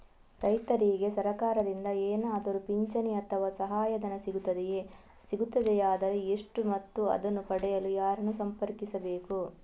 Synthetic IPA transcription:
ɾɐjt̪ɐɾiɡe̞sɐɾɐkaːɾɐd̪ind̪ɐeːnaːd̪ɐɾupiɲt͡ʃɐniɐt̪ʰɐʋaːsɐɦaːjɐd̪ɐnɐsiɡut̪ːɐd̪eje | siɡut̪ːɐd̪ɛjaːd̪ɐɾeeʂʈumɐt̪ːuɐ̰d̪ɐnːupɐɽɛjɐlujaːɾɐnusɐmpɐɾkisɐbe̞ːku

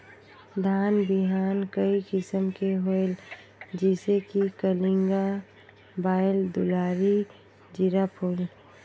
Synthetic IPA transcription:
d̪ʱaːnbɪɦaːnkəikɪsəmkeɦoel | d͡ʒisekikəlɪ̃ŋɡa | baːɪld̪ʊlaːɾi | d͡ʒɪɾapʰuːl

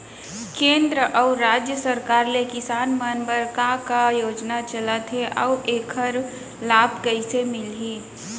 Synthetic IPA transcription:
kẽːnd̪ɾəʔɔʊɾɾaːd͡ʒjəsəɾkaːɾlekɪsaːnmənbəɾkakajoːd͡ʒnat͡ʃəlat̪ɦeʔɔuʔeːkʰəɾ | laːbkəisemɪlɦi

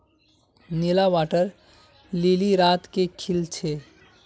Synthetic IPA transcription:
nilawaʈəɾ | liliɾat̪kekʰilt͡ʃʰe

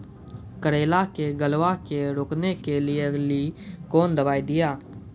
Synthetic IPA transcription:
kəɾeːlakeɡəlʋakeɾoːknekelɪelikoːnd̪əbaːid̪ɪjaː

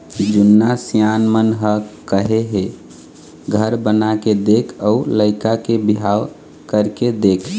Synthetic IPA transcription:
d͡ʒunːasijanmənɦəkəɦeɦe | ɡʱəɾbənaked̪ekʰəuləɪkakebiɦaw | kəɾked̪ekʰ

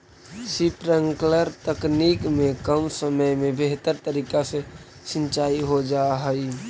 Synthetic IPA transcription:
sipɾəŋkləɾt̪əkniːkmẽkəmsəməjmẽbeɦt̪əɾt̪əɾiːkase | ʃɪ̃nt͡ʃaːiɦod͡ʒaɦəi

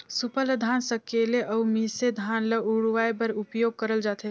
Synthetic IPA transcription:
sʊpələd̪ʱaːnsəkeːleʔɔumised̪ʱaːnlɐuɽʋaːjbɐɾʊpjoːɡ̚kəɾəld͡ʒaːt̪e

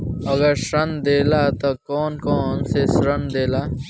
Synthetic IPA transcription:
ɐɡɐɾsɐnd̪eːlat̪ɐkɔːnkɔːnsesɾɐnd̪eːlaː

